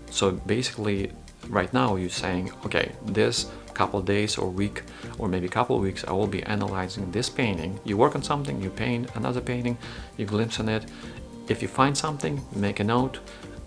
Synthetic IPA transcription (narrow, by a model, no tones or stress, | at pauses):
soʊbeɪsɨ̥kli | ɹaɪtⁿnaʊjɨseɪɪ̃ŋoʊkʰḛɪðɪs | kʰʌpl̩ˠvdeɪzə̰˞wik | ʔə˞meɪbikʰʌpl̩̰ˠvwiksa̰ɪwɪlˠbḭʔæ̰nə̰laɪzɪ̃ŋðɪspʰẽɪ̃ntɪ̰̃ŋjɨwɜ˞kn̩sʌ̃mθɪ̃ŋjɨpʰẽɪ̃ntənʌ̰ðə˞pẽɪ̃ñtɪ̃ŋjɨɡlɪ̃mpsɨ̃nɪɾ | ɨfjɨfãɪ̃nd̥sʌ̃mθɪ̃ŋjɨmeɪkɨnoʊt